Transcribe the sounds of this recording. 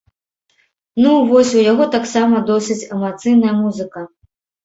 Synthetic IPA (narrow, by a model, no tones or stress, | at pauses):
nuvɔsʲujaɣɔt̪aksamɐd̪ɔsɨt͡sʲɛmat̪sɨjnɐjɐmuzɨkɐ